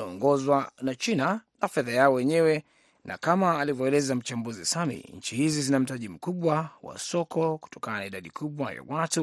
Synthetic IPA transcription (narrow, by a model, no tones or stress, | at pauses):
aɔŋɡɔzwanat͡ʃinanafɛðajaɔwɛɲɛwɛ | nʔa̰kamaːlivɔɛlɛzam̩t͡ʃambuzisamḭɲ̩t͡ʃihizizinam̩taʄim̩kuɓwawa̰sɔkɔku̥tɔ̥kananaiɗaɗikʰuɓwaja̰watu